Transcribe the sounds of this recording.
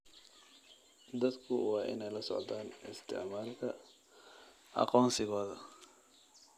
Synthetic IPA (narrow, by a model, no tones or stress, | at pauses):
d̪ɐd̪kʰʊwɑːʔɪ̰nɛjlɐsɔ̰ʕd̪aːnʔɪ̰st̪ʰɪ̰ʕmaːlkʰɐ | ʔɑ̰qɔːnsɪɣɔːðɐ